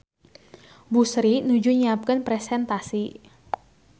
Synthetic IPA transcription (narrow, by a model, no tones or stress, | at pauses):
busɾinud͡ʒuɲiap̚kənpɾɛsɛnt̪asi